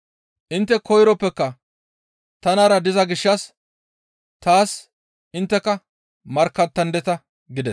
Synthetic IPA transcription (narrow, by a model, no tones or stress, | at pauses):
ʔɪnt̪ːɛkʰɔjɾɔpːɛkːɐ | t̪ɐnɐɾɐd̪ɪzɐɡɪʃːɐs | t̪aːs | ʔɪnt̪ːɛkːɐ | mɐɾkːɐt̪ːɐnd̪ɛt̪ɐ | ɡɪd̪ɛs